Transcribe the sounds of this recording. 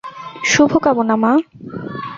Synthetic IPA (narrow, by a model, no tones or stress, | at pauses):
ʃubʱokabonama